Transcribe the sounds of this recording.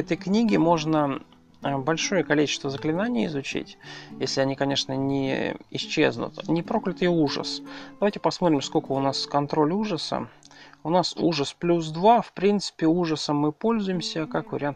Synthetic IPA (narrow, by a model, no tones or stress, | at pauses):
ɛt̪əjknʲiɡʲɪmo̞ʐnə | bɐlʲʂo̞jəkɐlʲit͡ɕɪ̥st̪vəzəklʲɪnanʲɪjəɪ̰zʊt͡ɕḭtʲjesʲlʲɪɐnʲikɐnʲe̞ʂnənʲɪ̰ɪɕt͡ɕːḛznʊ̰t̪nʲɪpɾo̞klʲɪt̪ɨjuʐə̰sd̪ɐvajʲtʲɪpɐsmot̪ɾʲɪmskolkəʊnaskɐnt̪ɾo̞lʲuʐəsə̰ʊnasṵʐəsplʲusd̪vafpɾʲint̪sɨ̥pʲɪuʐəsəmːɨpo̞lʲzʊjɪmsʲəkakvə̰ɾʲɪant̪